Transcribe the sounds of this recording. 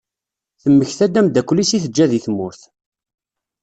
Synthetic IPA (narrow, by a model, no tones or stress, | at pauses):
θəmːəçθæd̪æmd̪ækʷːlːisiθəd͡ʒːæðiθmʊɾθ